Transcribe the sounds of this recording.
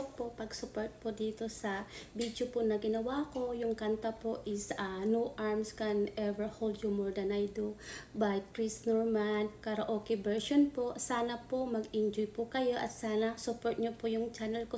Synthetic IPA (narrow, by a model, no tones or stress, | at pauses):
popɐɡsʊpoɹt̪̚pod̪iːt̪o̞sɐbid̪jopʊnɐɡɪnɐwako̞jʊŋkant̪ɐpoʔɪsɐnuʔaɹmskɐnʔɛvɛɹhold̪jumɔɹd̪ɐnajd̪obajkɹisnoɹmankaɾɐʔoːkɛbɛɹʃonposaːnɐpomɐɡɪnd͡ʒojpʊkɐjo̞ʔɐt̪̚saːnɐsʊpoɹt̪̚ɲopojʊŋt͡ʃanɛlko